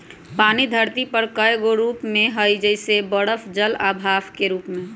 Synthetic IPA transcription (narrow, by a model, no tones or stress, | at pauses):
paːnid̪ʱəɾt̪ipəɾkəjɡoɾuːpmẽɦəjd͡ʒəɪsebəɽəfʰd͡ʒəlabʱaːfʰkeɾuːpmẽ